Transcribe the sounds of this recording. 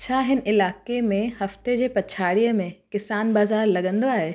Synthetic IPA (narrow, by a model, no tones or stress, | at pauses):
t͡ɕʰaːɦɪn̆ʔɪlaːkemẽhɐft̪ed͡ʑeːpɐt͡ɕʰaːɽijəmẽkɪsaːnbaːzaːɾlɐɠə̃nd̪oaːɦe